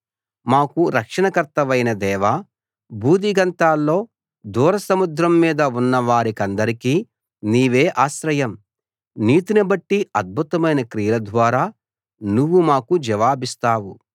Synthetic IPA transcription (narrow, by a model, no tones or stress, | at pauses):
maːkuɾɐkʂɐɳɐkɐɾt̪ɐʋɐjnɐd̪ɛːʋa | bʱuːd̪iɡɐnt̪aːlːo̞ː | d̪uːɾɐsɐmud̪ɾɐmːiːd̪ɐunːɐʋaːɾikɐnd̪ɐɾikiː | niːʋe̞ːʔaːʃɾɐjɐm | niːt̪inɐbɐʈːiɐd̪̚bʱut̪ɐmɐjnɐkɾijɐlɐd̪ʋaːɾaː | nuʋːumaːkud͡ʒɐʋaːbist̪aːwu